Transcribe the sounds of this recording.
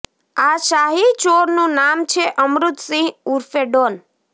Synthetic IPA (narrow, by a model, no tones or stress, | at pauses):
aʃaɦit͡ʃoɾnũnamt͡ʃʰeʔəmɾut̪sĩɦuɾfeɖon